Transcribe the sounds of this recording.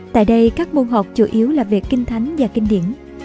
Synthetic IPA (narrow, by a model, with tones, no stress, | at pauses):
t̪a̰ː˧˨jɗə˧jkaː˦˥k̚mo˧nɦɔ˨˩k͡p̚t͡ɕu˧˨˦ʔi˨˦əwlaː˨˩vi˨˩əkːï˧ŋ̟t̪ʰa˨˦jŋ̟vaː˨˩kï˧ŋ̟ɗḭ˧˨ən